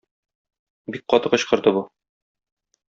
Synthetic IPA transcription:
bik̚qɒt̪ɤqɤ̆ɕqɤ̆ɾd̪ɤbu

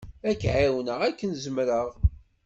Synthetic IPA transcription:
ækːʕawənəʁækːənzəmɾəʁ

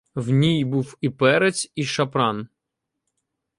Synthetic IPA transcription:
wnʲijbuwipɛɾet͡sʲiʃɐpɾɑn

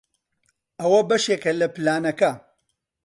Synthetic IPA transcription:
ɐwɐbɐʃeːkɐlɐplaːnɐkɐ

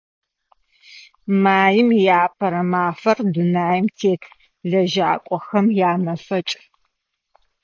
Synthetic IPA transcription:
maːjɪmjaːpʰɐɾɐmaːfɐrdunaːjɪmtʰeːkʰ | ɮɐʒaːkʷʼɔxɐmjaːnɐfɐt͡ʃʼ

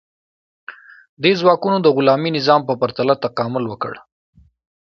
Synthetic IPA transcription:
d̪ezwɑkunod̪əɣʊlɑminɪzɑmpəpaɾt̪alat̪aqɑmʊlwəkə̰ɽ

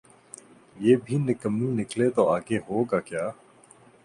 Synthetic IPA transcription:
jeːbʱiːnɪkəmnũnɪklet̪oaːɡeɦoːɡaːkjaː

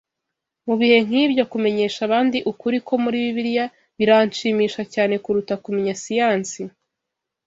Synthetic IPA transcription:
muβihe̞ŋ̥iːbɟo̞kume̞ɲe̞ːʃaβaːndiʔukuɾikʰo̞muɾiβiβiɾija | βiɾanʃiːmiːʃacaːne̞kuɾutakumeɲasijaːnsi

